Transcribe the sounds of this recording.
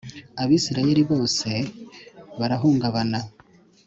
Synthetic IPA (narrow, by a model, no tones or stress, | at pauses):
aβiːsiɾaje̞ɾiβo̞ːse̞ | βaɾaɦuːŋɡaβana